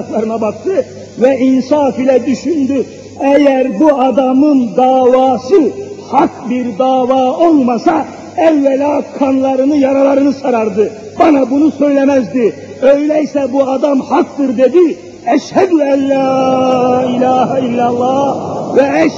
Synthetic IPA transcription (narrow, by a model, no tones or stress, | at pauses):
k̪lˠaɾɯnabak̚t̪ʰɯ | vɛʔinsaːfilʲɛd̪yʃynd̪y | ɛjæɾbuad̪amɯnd̪aːvaːsɯhak̚biɾd̪aːvaːo̞lˠmasa | ɛvːɛlʲaːkʰanlˠaɾɯnɯjaɾalˠaɾɯnɯsaɾaɾd̪ɯ | banabunusø̞jlʲemæzd̪i | øjlʲɛjsɛbuad̪amhak̚d̪ɯɾd̪e̞d̪i | ɛʃhæd̪uælːæː | ilʲaːɦilːalˠːɑːvɛɛʃ